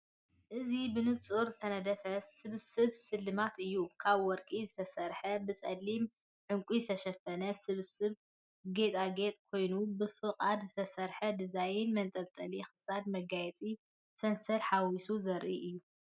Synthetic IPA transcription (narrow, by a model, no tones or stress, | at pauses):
ʔɨzibɨnɨt͡sʼuɾzɨt̪ʰɐnɐd̪ɐfɐsɨβsɨβsɨlːɨmat̪ɨjːukʰaβwɔɾkʼizɨt̪ʰɐsɐɾħɐbɨt͡sʼɐlːim | ʕɨŋkʼuzɨt̪ʰɐʃɐfɐnɐsɨβsɨβ | ɡet̪ʼaɡe̞t̪ʼkʰo̞jnubɨfɨqʼad̪zɨt̪ʰɐsɐɾħɐd̪ɨzajɪnmɐnt̪ʼɐlt̪ʼɐlixɨ̥sad̪mɐɡajɛt͡sʼi | sɐnsɐɾħawisuzɐɾʔiʔɨjːu